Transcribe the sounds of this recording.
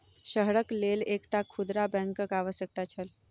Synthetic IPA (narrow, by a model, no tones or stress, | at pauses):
ɕəɦɽəklelekʈakʰud̪ɾabɛ̃ŋkəkaʋəsək̚ʈ̪at͡ɕʰəl